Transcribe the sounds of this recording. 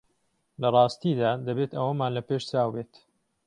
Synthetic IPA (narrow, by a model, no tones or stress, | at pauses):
lɐrˤɑːst̪id̪aːd̪ɐbeːt̪ɐwɐmaːnlɐpeːʃt͡saːwbeːt̪